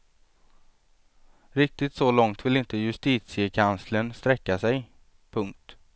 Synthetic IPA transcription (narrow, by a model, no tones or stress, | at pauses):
ɾɪk̚t̪ɪt̪sɔlɔŋt̪vɪlɪnt̪əjɵst̪iːt̪sɪəkʰanslənst̪ɾɛkːasɛj | pʰɵŋk̚t̪